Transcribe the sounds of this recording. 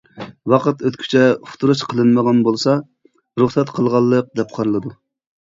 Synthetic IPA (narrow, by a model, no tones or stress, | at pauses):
wɑqət̪øt̪kʲʰy̥t͡ʃʰɛfʊ̥t̪ʰuɾuʃqʰəlˠɨnməʁɑnbolˠsɑ | ɾuχsɛt̪qʰəlˠʁɑlˠːəq̚d̪ɛp̚qʰɑɾɨlˠɨd̪u